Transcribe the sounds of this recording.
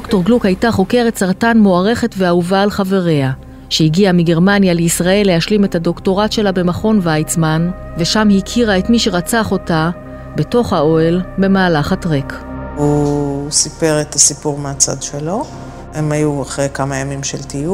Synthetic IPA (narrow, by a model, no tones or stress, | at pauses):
dokto̞ʁɡlukhajtaχo̞ke̞ʁetsaʁtanmoaʁe̞χe̞tve̞auvaːlχave̞ʁe̞a | ʃeiɡiamiɡe̞ʁmanjaleisʁae̞lːe̞haʃlime̞thado̞kto̞ʁatʃe̞labe̞maχo̞nvajt͡sman | ve̞ʃamhikʰiʁae̞tmiʃe̞ʁat͡saχo̞ta | beto̞χhao̞elbe̞maːlaχatʁekusipe̞ʁet̪asipuʁmeat͡sa̰d̪ʃelo̞ | emajuaχʁejkamajamimʃeltiju